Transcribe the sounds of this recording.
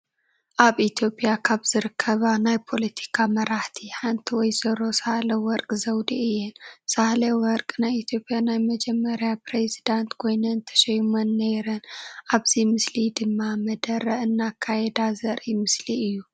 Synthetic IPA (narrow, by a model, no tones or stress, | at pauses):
ʔaβʔit̪ʰjo̞pʼjakʰaβz̥ɨɾɨkʰːɐβanajpʰo̞let̪ʰi̥kʰamɐɾaħt̪ʰiħant̪ʰiwɔjzɐɾo̞sahlɐwɔɾkʼzɐwd̪iɨjːɛnsahlɐwɔɾkʼnajit̪ʰjo̞pʼjanajmɐd͡ʒɛmːɐɾjapɾezid̪ant̪kʰo̞jnɐnt̪ʰɐ̥ʃɛjmɐnːɐjɾɐnʔaβzimɨslid̪ɨmːamɐd̪ɐɾɐʔɨnːakʰːajɛd̪azɐɾʔimɨsliɨjːu